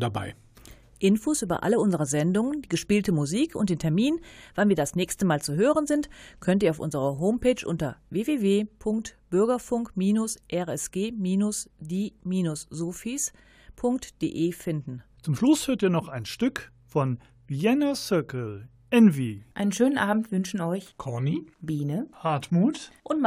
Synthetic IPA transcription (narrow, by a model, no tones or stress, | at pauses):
daba̰ɪ | ʔɪnfoːsʔyːbɐ̰ʔa̰ləʊnzəʁəzɛndʊŋəndiːɡəʃpiːltəmuziːkʰʊ̰nt̚d̥eːntʰɛɐmiːnv̥anviːɐdasnɛːçstəmaːlt͡suɦøːʁ̞ənzɪntkʰœntʔiːɐaʊfʔʊ̰nzəʁɐɦoːmpeːt͡ʃʔʊ̰ntɐveːveːveːpʰʊŋk̚tb̥ʏɐɡɐfʊŋkmiːnʊsʔɛʁɛsɡ̥eːmiːnʊsdeːmiːnʊszoːfiːs | pʰʊŋk̚td̥ḛːʔeːfɪndn̩t͡sʊmʃlʊshøːɐtiːɐnɔχaɪnʃtʏk | fɔn | viɛnasʏɐkl̩ | ʔɛnviːʔaɪnənʃøːnənʔaːbm̩tv̥ʏnʃn̩ɔʏçkʰɔɐnib̥iːnəhaɐtmuːtʔʊnt